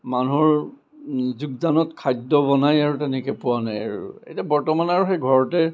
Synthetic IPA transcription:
manuɦɔɹ | zuɡ̚danɔtkʰajdɔbɔnajaɹutɛnɛkɛpuanajaɹṵṵḛjtabɔɹtɔmanaɹuxejɡʱɔɹɔtɛ

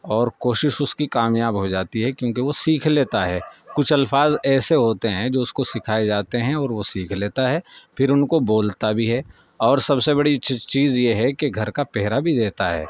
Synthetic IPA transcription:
ɔːɾkoːʃɪʃʊskikaːmjaːbɦod͡ʒaːt̪iɦɛkjõːkeʋosiːkʰleːt̪aɦɛːkʊt͡ʃʰɐlfaːzɛːseɦoːt̪eɦɛ̃d͡ʒoːʊskosɪkʰaːed͡ʒaːt̪eɦɛ̃ɔːɾʋosiːkʰleːt̪aɦɛːpʰɪɾʊnkoboːlt̪abʱiɦɛː | ɔːɾsɐbsebɐɽit͡ʃiːzjeɦɛkeɡʱɐɾkapɛɦɾabʱid̪eːt̪aɦɛ̰ː

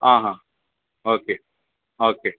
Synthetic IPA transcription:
ãːɦãː | oːkeː | oːkeː

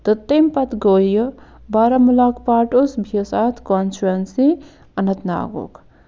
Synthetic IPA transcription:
t̪ət̪ːempɐt̪ɡojəbaɾamulaːkpaːʈosbʱiəsat̪ʰkonsuɾɐnsi | ɐnɐt̪na̰ːɡo̰k

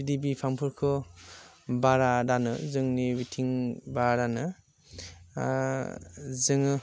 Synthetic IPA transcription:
idibipʰampʰɯɾkʰɯ | baɾadanɯzɯŋniwitʰiŋbaɾanɯ | zɯŋɯ

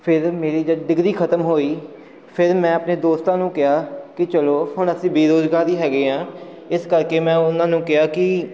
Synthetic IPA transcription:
pʰɪɾmeːɾiːd͡ʒəɖɪɡɾiːkʰət̪əmɦoːiː | pʰɪɾmɛ̃ːəpneːd̪oːst̪ãːnũːkɪaːkɪt͡ʃəloːhʊɳəsĩːbiːɾoːd͡ʒɡaːd̪iːɦɛːɡeːɦãː | ɪskəɾkeːmɛ̃ːʊnãːnũːkɪaːkɪ

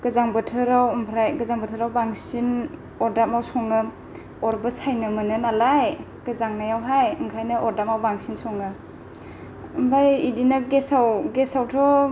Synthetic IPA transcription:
ɡ̥ɯzaŋbɯtʰɯɾawmpʰɾajɡɯzaŋbɯtʰɯɾawbaŋsin | ɔɾdamawsɔŋɯ | ɔɾbɯsajnɯmɯnɯnalaj | ɡ̥ɯzaŋnajawɦajɯŋkʰajnɯʔɔɾdap̚mawbaŋsinsɔŋɯ | mbajidinaɡesawɡesawtʰɔ

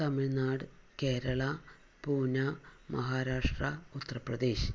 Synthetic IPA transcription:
t̪ɐmiɻnaːɽɨkeːɾɐɭɐ | puːnɐmɐ̰ɦaːɾaːʂʈrɐut̪ːɐrɐprɐd̪eːɕ

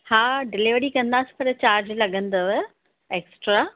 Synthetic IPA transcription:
haːɖɪliʋəɾikɐ̃nd̪aːsi̥pɐɾt͡ɕaːɾd͡ʑlɐɡə̃nd̪əʋ | eːksʈɾa

